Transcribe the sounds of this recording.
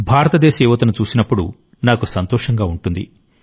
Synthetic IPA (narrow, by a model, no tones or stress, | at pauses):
bʱaːɾɐt̪ɐd̪ɛːʃɐjuʋɐt̪unut͡ʃuːsinɐpːuɽṵ | naːkusɐnt̪ɔːʂɐŋɡaːuɳʈund̪ḭ